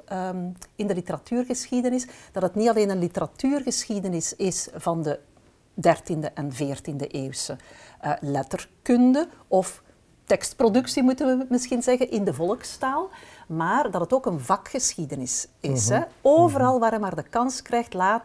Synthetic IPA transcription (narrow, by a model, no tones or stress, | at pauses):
ɪndəlitəɾɑtyːrɣəsxidənɪsd̥ɑtətnitɑleːnənlitəɾatyːrɣəsxidənɪsɪsv̥ɑndə | dɛrtindəʔɛnveːrtində̰ʔeːwsə | lɛtərkɵndəɔf | tɛkstprodɵksimutənʋəmɪsxinzɛɣənʔɪndəvɔlˠəkstaːlˠmaːrdɑtətoːkənvɑkxəsxidənɪsɪsɦɛoːvəɾɑlˠʋaːɾəmaːrdəkɑnskrɛjxtlaːt